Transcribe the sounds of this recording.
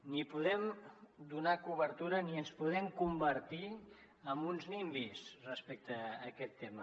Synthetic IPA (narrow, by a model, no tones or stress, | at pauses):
nipuðɛmd̪unakuβəɾt̪uɾəniənspuðɛmkumbəɾt̪i | əmbunznimbisrəspɛk̚t̪əːkɛt̪ːemə